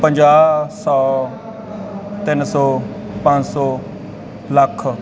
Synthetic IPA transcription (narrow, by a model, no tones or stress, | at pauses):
pə̃ɲd͡ʒaːsɔː | t̪ɪnsɔː | pãd͡ʒsɔː | ləkʰ